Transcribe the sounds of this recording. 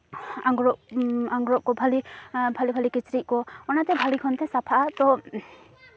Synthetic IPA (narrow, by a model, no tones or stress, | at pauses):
aŋɡɾɔʔaŋɡɾɔʔkɔbʱalibʱalibʱalikit͡ʃɾiʔ̚kɔɔnat̪ɛbʱalikʰɔnt̪ɛsapʰaʔat̪ɔ